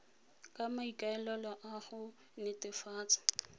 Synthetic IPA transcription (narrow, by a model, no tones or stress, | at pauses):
kʼamaikʼaɛlɛlɔʔaχʊ | nɪtʼɪfaːt͡sʼḁ